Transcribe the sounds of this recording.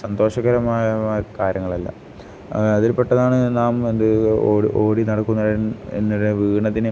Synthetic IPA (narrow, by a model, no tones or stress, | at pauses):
sɐnd̪o̞ːʂɐɣɐɾɐmaːjjɐkaːɾjɐŋːɐɭɐlːɐ̰ | ɐðilpeʈːɐðaːɳɨnaːmend̪ɨoːiʔo̞ːɽinɐɽɐkːunːɐɽɐnḛnːuɽeʋiːɳɐt̪ːinɨ